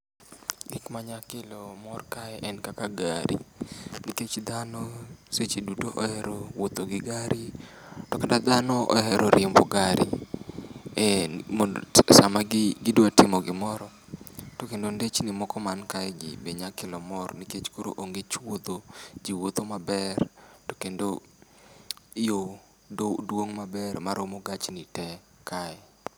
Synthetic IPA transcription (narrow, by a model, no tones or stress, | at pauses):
ɡikmaɲakɪlɔmɔrkaɛʔɛnkakaɡaɾḭniket͡ʃd̪anɔset͡ʃidutoʔɔɛɾowot̪oɡɪɡaɾitɔkadad̪anɔɔ̰ɛɾʔoɾʔɪmbɔɡaɾʔḭ | mosamaɡɡɪdwatɪmɔɡɪmɔɾɔ | tokendondet͡ʃnimɔkɔmankaɛɡḭbeɲakɪlɔmɔrniket͡ʃkoɾo̰ʔoŋɡet͡ʃwod̪od͡ʒiwot̪omabɛrto̥kendo | jo | odwoŋmabɛrmaɾomoɡat͡ʃnitɛ | kʰa